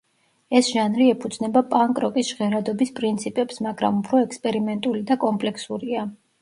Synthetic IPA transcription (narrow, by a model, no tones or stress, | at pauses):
ɛsʒanɾiɛpʰud̪z̥nɛbapʼaŋkʼɾɔkʼisʒ̥ʁɛɾad̪ɔbispʼɾint̪sʰipʼɛpsmaɡɾa̰mupʰɾɔɛkspʼɛɾimɛnt̪ʼulid̪akʼɔmpʼlɛksuɾia